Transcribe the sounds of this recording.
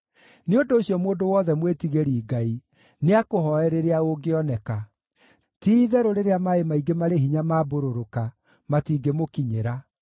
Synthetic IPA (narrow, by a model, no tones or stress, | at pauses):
neondoːɕjɔmoːndowɔðɛmwetiɣeɾiːɡai | neakoɦɔɛɾeɾeaoɡeɔnɛka | tiðɛɾoɾeɾeamaemaiɡemaɾeɦiɲamaːboɾoɾoka | matiːɡemokiɲeɾa